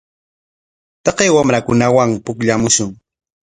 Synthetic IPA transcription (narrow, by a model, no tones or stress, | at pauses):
t̪ɑqejwamɾakʊnawaŋpʊkʎamʊʃʊŋ